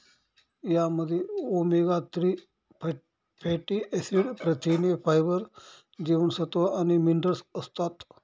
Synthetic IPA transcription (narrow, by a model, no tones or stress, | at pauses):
jaməd̪ʱːjeomeɡat̪ɾi | pʰeʈiʔesiɽpɾət̪ʰinefajbəɾ | d͡ʑeʋəɳsət̪oanimiɳɖəɾsəst̪at̪